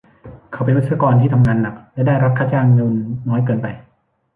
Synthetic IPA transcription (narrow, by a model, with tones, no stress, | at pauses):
kʰa˧˩wpe˧nɾt̪sʰa˧kɔː˧nt̪ʰiː˥˩t̪ʰa˧mŋaː˧nːa˨˩k̚lɛ˦˥daː˥˩jɾa˦˥p̚kʰa˦˥˩t͡ɕaː˧ŋnɯː˧nːɔː˦˥jkɤː˧npa˧j